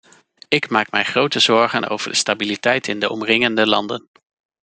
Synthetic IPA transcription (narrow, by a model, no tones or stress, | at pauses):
ɪkmaːkmɛjχrowtəzɔɹχəno̰wv̥ə̰ɹdəstabilitɛjtɪndəʔɔmrɪŋəndəlɑ̰ndən